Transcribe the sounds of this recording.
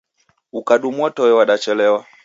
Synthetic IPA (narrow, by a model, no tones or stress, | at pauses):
ukaɗumwɔtɔwɛwaɗat͡ʃɛlɛwa